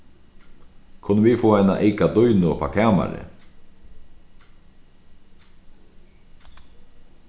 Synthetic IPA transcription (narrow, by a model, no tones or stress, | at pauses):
kʰʊnəʋifoːajna̰ʔeɪkad̪ɔjnʊpʰa̰kʰɛːma̰ɾə̰